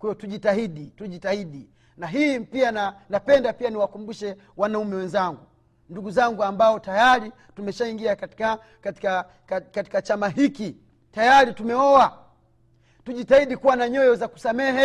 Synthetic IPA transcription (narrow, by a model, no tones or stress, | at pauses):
kwɛjɔtuʄitaɦiɗituʄitahiɗi | naɦiːpiananapɛndapianiwakumbuʃɛ | wanaumɛwɛnzaŋɡu | nduɡuzaŋɡuambaɔtajaɾi | tumɛʃaiŋɡiaka | atika | kati̥kat͡ʃamaɦiki | tajaɾitumɛɔwa | tuʄitahiɗikuwanaɲɔjɔzaku̥samɛɦɛ